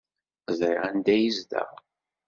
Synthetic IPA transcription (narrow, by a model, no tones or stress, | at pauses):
zˤɾɪʁænd̪æjizd̪æ̰